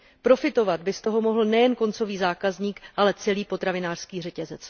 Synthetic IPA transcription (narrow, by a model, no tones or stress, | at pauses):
pɾo̞fɪt̪o̞vad̪̚bɪst̪o̞ɦo̞mo̞ɦl̩nɛjɛnko̞nt͡so̞viːzaːkazɲiːkʔalɛt͡sɛliːpo̞t̪ɾavɪnaːr̥skiːrɛcɛzɛt͡s